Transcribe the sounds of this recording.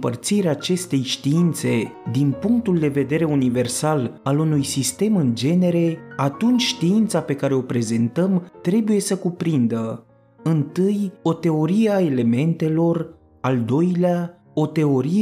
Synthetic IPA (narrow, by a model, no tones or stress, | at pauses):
pərt̪siɾeaːt͡ʃe̞st̪e̞jʃt̪iint̪se̞d̪inpuŋk̚t̪uld̪e̞ve̞d̪e̞ɾe̞unive̞rsalalunujsist̪e̞mɨnd͡ʒe̞ne̞ɾe̞at̪unt͡ʃʲʃt̪iint̪sape̞kaɾe̞o̞pɾe̞ze̞nt̪əmt̪ɾe̞buje̞səkupɾind̪ə | ɨnt̪ɨjo̞t̪e̞o̞ɾieae̞le̞me̞nt̪e̞lo̞r | ald̪o̞jlea | o̞t̪e̞o̞ɾi